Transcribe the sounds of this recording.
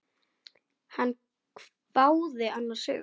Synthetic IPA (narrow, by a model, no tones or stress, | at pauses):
hanːʰ | vaːwðɪanːasʏ̰ː